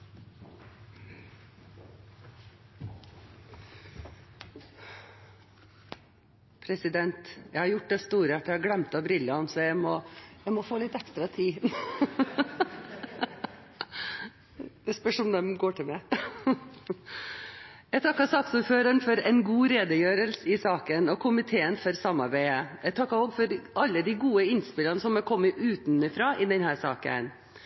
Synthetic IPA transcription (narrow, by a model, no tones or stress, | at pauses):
pʰɾɛsɪd̪ɛnt̪jæɪhɑɾjʊʈd̪ɛst̪uːɾəæʈːəjæhɑɡlɛmt̪ɑbɾɪlːəhɑnsɔjæɪmɔjæɪmɔfoːlɪt̪ɛkst̪ɾɑt̪ʰiː | d̪̥ɛspœʂɔmd̪ɛmɡoːʈʰɪlmæɪ | jæɪt̪ʰɑkːɑsɑːksuːɾføːɾəɳfɔɾɛɪnɡuːɾeːd̪əjøːɾəlsəɪsɑːkənɔkʰʊmɪt̪ʰeːənfɔɾsɑmːɑɾbæɪəjæɪt̪ʰɑkːɑoːɡfɔɾɑlːəd̪ɪɡuːəɪnspɪlɑnəsɔmɛkʰɔmːɪʔʉːt̪nɪfɾɑːʔɪd̪ɛnhæːɾsɑːkə̰n